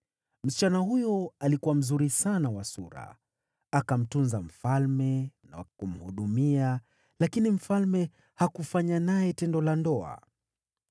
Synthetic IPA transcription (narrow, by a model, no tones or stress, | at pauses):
m̩si̥t͡ʃanahujɔalikuwam̩zuɾisanawasuɾa̰ | akam̩tunzam̩falmɛna̰kum̩huɗumia | lakinim̩falmɛ | hakufaɲanajɛtɛndɔlandɔa̰